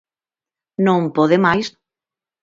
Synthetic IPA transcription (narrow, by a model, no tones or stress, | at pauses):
nõmpoðemajs